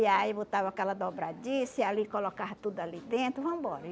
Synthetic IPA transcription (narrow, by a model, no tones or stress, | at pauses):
iaibot̪avɐakɛlɐd̪obɾad͡ʒisialikolokaɦɐt̪ud̪ʊalid̪ẽnt̪ɾʊvɐ̃m̃bɔɾɐ